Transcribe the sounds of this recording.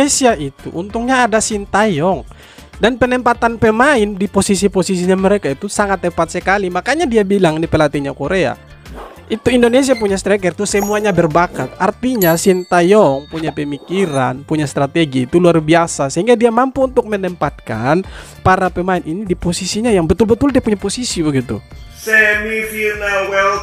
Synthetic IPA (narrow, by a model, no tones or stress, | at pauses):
esiait̪ṵʔunt̪uŋɲaːdasint̪ajɔŋ | danpənɛmpat̪anpɛmaɪndiposisiposisiɲaməɾekait̪usaŋat̪ːɛpat̪̚səkalimakaɲadiabilaŋnipɛlat̪iɲakoɾea̰ | it̪uindones̬iapuɲast̪ɾɛkɛrt̪usəmuaɲabərbakat̪̚ʔart̪iɲasint̪ajɔŋpuɲapəmikiɾanpuɲast̪ɾat̪eɡiːt̪uluarbiasasəɦiŋɡadiamampuunt̪ʊk̚mənɛmpat̪̚ka̰n | paɾapəmaɪnʔinidiposisiɲajaŋbət̪ʊlbət̪ʊldiapuɲaposisibəɡit̪ṵ | sɛmifinalwɛl